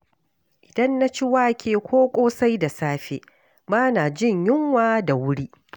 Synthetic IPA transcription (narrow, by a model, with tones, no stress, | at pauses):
ʔɪ˨dɐ˦nːa˦t͡ʃi˦waː˦kʲʰeː˨kʷʰoː˦kʷʼoː˦sa˦jda˨saː˦ɸḛː˨ | baː˦na˨d͡ʒɪ˦ɲjɪ˦ŋwaː˦da˨wʊ˦ɽiː˦